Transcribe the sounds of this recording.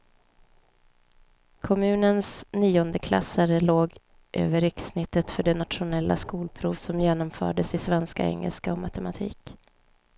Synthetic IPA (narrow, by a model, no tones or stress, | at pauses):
kʰɔmʉ̟ːnənsniːɔnd̪əkʰla̰sːaɾəloːɡ | ʔø̰ːvəɾɪksnɪt̪ːət̪fœɖɛnat̪ʂʊnɛlːa̰skuːlpʰɾuːvsɔmjeːnɔmfœ̰ːɖəsɪsvɛnska̰ɛ̰ŋːə̰lskaɔmat̪ɛmat̪ʰḭːk